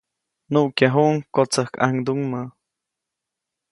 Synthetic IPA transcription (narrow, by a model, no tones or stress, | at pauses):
nuʔkjaɦuŋkot͡səhka̰ŋd̪uŋmə